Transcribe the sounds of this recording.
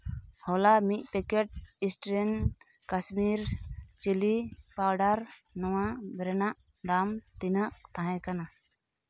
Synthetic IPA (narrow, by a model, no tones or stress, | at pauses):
hɔlamiʔ̪̚ˀpɛkɛʈ̚isʈɾɛn | kasmiɾt͡ʃilipawɖaɾnɔwãbɾɛnaʔ | d̪amt̪inaʔt̪aɦɛ̃kana